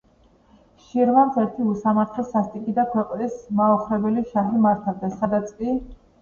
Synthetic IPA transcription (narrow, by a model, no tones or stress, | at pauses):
ʃiɾvamsɛɾt̪ʰiusamaɾt̪ʰlɔsast̪ʼikʼid̪akʰwɛqʼnismaɔχɾɛbɛliʃaχimaɾt̪ʰavd̪asad̪at̪sʰʼkʼi